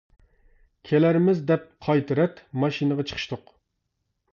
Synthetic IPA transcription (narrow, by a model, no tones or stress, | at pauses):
kʲʰelæɾɪmɪzd̪ɛp̚qʰɑjt̪ʰɨɾɛt̪mɑʃinɨʁɑt͡ʃʰə̥qʰə̥ʃt̪ʊq